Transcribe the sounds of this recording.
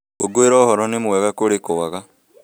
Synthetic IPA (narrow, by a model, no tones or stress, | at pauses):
oɡoeɾɔːhɔɾɔnemwɛɣakoɾekowaɣa